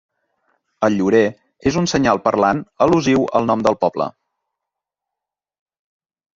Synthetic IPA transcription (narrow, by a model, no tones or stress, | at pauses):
əlʎuɾe | ezunsəɲalˠpərlanəluziwə̰lˠnɔmd̪əlˠpɔblə̰